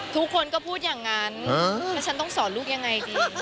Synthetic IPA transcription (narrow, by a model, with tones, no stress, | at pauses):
t̪ʰu˦˥kʰːo˧nkɔː˥˩pʰuː˥˩t̪̚jaː˨˩ŋːaː˧˥n˧aː˦˥t͡ɕʰa˦˥nt̪ɔ˥˩ŋsɔː˩˦nluː˥˩k̚ja˧ŋːa˧jdiː